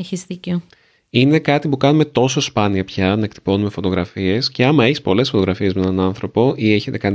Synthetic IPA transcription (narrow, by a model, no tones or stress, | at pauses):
çizðico | ine̞kɐt̪ipukɐnume̞t̪o̞so̞spɐniɐpçɐnɐek̚t̪i̥po̞nume̞fot̪o̞ɣɾɐfie̞sce̞ɐmɐe̞çi̥spo̞le̞sfo̞t̪o̞ɣɾɐfie̞zmenɐnɐnθɾo̞po̞ʔie̞çe̞t̪e̞kɐn